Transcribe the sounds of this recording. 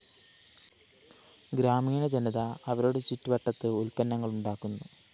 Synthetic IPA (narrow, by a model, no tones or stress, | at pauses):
ɡɾaːmiːɳɐd͡ʑeniðɐːʋɐɾo̞ːɽet͡ɕitːuʋɐʈːɐt̪ːɨulpɐnːɐŋːɐɭuɳɖaːkːunːu